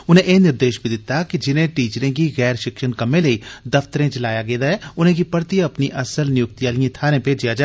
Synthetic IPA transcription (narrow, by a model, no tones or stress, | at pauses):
ʊn̤ẽʔeːnɪɾd̪eːʃbʱid̪ɪt̪ːakid͡ʒɪnẽʈiːt͡ʃɾẽkiɣɛːɾʃɪkʃənkɐmẽləid̪ɐft̪əɾẽt͡ʃlaːjaɡeːd̪aɦɛʊnɦẽk̬ipəɾt̪iɐpniʔɐsəlnɪjʊk̚t̪ijaːlijẽt̪ʰaːɾẽped͡ʒijad͡ʒaː